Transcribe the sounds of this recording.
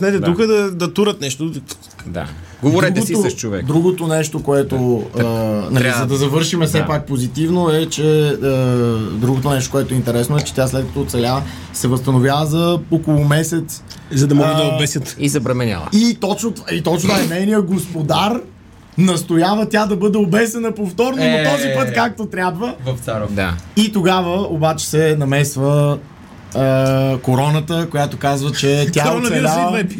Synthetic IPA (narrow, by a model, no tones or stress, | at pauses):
snɛt̪ɛt̪uxəd̪ɐd̪ɐt̪uɾət̪nɛʃt̪o | d̪a̰ɡodvoɾɛuɡ̪ot̪oʃt͡ʃovɛ̰kd̪ɾuɡot̪onɛʃt̪okoɛt̪oənɐlizɐd̪ɐzɐvɤɾʃimɛfsɛpak̚pozit̪ivnoɛt͡ʃɛəd̪ɾuɡot̪onɛʃt̪o̥koɛt̪oɛint̪ɛɾɛsnoɛt͡ʃɛ̥t̪jaslɛt̪kɐ̥t̪ɔt̪sɛlʲa | sɛvɐst̪ɐnovjavəzɐokolˠomɛsɛt̪szɐd̪ɐmɔɡəɐbɛsʲət̪izɛbɾɛmɛnʲa̰lˠə̰it̪ɔt͡ʃnot̪it̪ɔt͡ʃnaɛnɛjnijəɡospod̪aɾ | nɐst̪ojavət̪ʲjad̪ɐbɤd̪ɛobɛsɛnəpoft̪ɔɾnomot̪ɔzipɤt̪kak̚t̪ot̪ɾʲabvəvɐft̪saɾɔd̪a̰it̪oɡavəobat͡ʃɛ̥sɛnɐmɛsvəː | koɾɔnət̪əkojat̪okazvət͡ʃɛt̪jaɔnɐɛlʲaɛ